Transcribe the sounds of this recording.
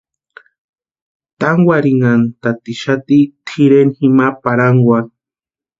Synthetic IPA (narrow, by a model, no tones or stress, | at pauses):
t̪aŋwʷaɾiŋant̪at̪iʃat̪it̪ʰiɾenhimapaɾaŋɡwa